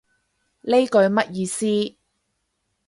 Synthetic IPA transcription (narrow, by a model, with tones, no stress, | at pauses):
le˥jkɵ˧ɥmɐ˥t̚jiː˧siː˥